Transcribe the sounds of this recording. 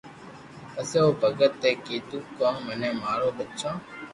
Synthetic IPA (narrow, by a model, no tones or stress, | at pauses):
əseːoːbʱəɡət̪ːeːkiːt̪uːkõːmənẽːmaːɽoːbətːʃãː